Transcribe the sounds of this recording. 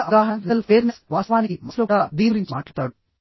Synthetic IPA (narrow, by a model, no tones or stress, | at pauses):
ʔɐɡaːɦɐnnɐlpeːɾnesʋaːsɐʋaːniimɐsloːɽaːd̪iːʋɐɾiɲt͡ʃimaːʈːaːɾt̪aːɽu